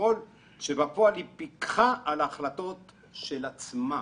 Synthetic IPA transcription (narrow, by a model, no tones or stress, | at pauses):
ol | ʃebapoalipikχaʔalaχlat̪o̞t | ʃelat͡sma